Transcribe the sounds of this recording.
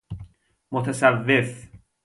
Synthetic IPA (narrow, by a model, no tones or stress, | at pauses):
mot̪ʰæsævːef